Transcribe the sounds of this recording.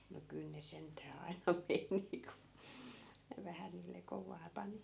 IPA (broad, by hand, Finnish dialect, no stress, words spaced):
no kyl ne sentˑæː ɑi̯nɑ meni ku ne ʋæhæ niːlːe koʋɑː pɑni